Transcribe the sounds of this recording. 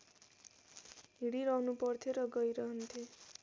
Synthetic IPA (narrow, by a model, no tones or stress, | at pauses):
ɦiɽiɾʌɦnupʌrt̪ʰjoɾʌɡʌjɾʌɦʌnt̪ʰe